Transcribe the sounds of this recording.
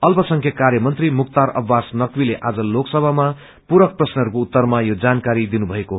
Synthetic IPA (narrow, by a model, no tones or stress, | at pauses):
ʌlpʌsʌŋkʰjʌkarjʌmʌnt̪rimukt̪aɾʌ̰bʱːasnʌkwileʔad͡zʌloksʌbʱama | puɾʌk̚prʌsnʌɦʌɾukout̪ːʌrmajod͡zankaɾid̪inubʱʌeko